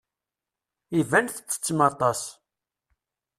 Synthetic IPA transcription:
ivænθə̥t͡sːə̥t͡sːmɑt̪ˤɑs

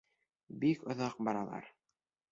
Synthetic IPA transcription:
bikŏðɑq̚bɑɾɑlˠɑ̰ɾ

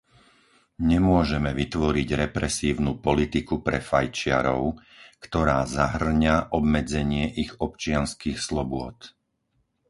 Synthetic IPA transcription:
ɲɛmʊɔʒɛmɛʋit̪ʋɔɾiɟɾɛpɾɛsiːʊnuːpɔlit̪ikupɾɛ̰fajt͡ʃɪa̰ɾɔʊ | kt̪ɔɾaːzaɦr̩ɲaʔɔbmɛd͡zɛɲɪɛʔiɣɔpt͡ʃɪanskixslɔbʊɔt̪

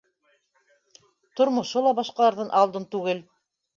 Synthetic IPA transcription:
t̪ŏɾmŏʃolˠɑbɑʃqɑlˠɑɾðɤnʔɑlˠd̪ɤnt̪ʉɡɘl

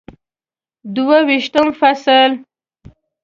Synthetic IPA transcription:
d̪uwawiʃt̪əmfasəl

